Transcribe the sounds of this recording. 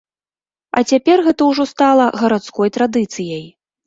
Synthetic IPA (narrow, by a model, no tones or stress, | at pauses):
ɐ̰t͡sʲapʲɛrɣɛt̪ɐwʐɔst̪alˠɐɣɐɾat̪skɔjt̪ɾad̪ɨt̪sɨjɐj